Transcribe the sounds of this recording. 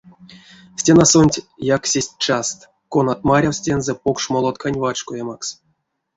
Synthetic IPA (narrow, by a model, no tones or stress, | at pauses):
sʲtʲenasonʲtʲjaksʲesʲtʲt͡ʃast̪ | konat̪̚maɾʲawsʲtʲe̞nzɛpokʂmolˠat̪kanʲvat͡ʃkojamaks